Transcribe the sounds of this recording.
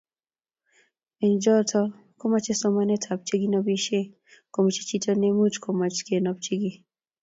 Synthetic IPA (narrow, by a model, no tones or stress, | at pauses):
ɛnd͡ʒɔtʰɔ | kɔmat͡ʃɛsɔmanɛtʰab̚t͡ʃiɡinɔbiʃɛ | kɔmut͡ʃit͡ʃitɔnɛmut͡ʃkʰɔmat͡ʃkɛnɔb̚t͡ʃiɡi